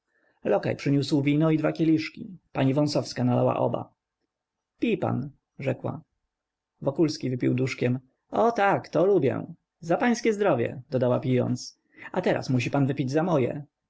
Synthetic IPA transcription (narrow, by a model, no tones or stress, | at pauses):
lɔka̰jpʂɘɲuswvʲinɔid̪vakʲelʲiʂkʲipaɲivɔ̃sɔfskanalawa̰ʔɔ̰ba̰ | pʲipa̰n | ʐɛkwa̰ | vɔkulskʲivɘpʲiwd̪uʂkʲɛm | ɔt̪akt̪ɔlubʲjɛ̰̃ | zapaj̃skʲɛzd̪ɾɔvʲjɛ̰d̪ɔd̪awapʲijɔ̰nt̪s | at̪ɛɾa̰smuɕ̬ipanvɘpʲid͡ʑzamɔjɛ̰